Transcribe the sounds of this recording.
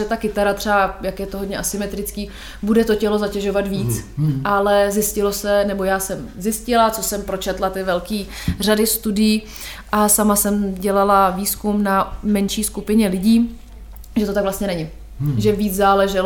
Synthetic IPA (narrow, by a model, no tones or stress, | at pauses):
ɛt̪akɪt̪aɾat̪r̥ɛajakjɛt̪oɦodɲɛʔasɪmɛt̪ɾɪt͡skiː | budɛt̪o̞cɛlo̞zacɛʒo̞vat̪viːt͡sʔalɛzjɪscɪlosɛnɛbojaːsɛmzɪscɪlat͡sosɛmpɾo̞t͡ʃɛt̪lat̪ɪvɛlkiː | r̝adɪst̪udɪjiː | ʔasamasɛmɟɛlalaviːskumnamɛnʃiːskupɪɲɛlɪɟiː | ʒɛt̪ot̪aɡvlast̪ɲɛnɛɲɪ | ʒɛviːt͡szaːlɛʒɛl